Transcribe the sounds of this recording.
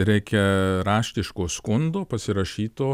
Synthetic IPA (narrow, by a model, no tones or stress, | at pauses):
ɾʲɛɪkʲɛɾɑːʃʲt̪ʲɪʃkoːskʊnd̪oːpɐsʲɪɾɐʃʲiːt̪oː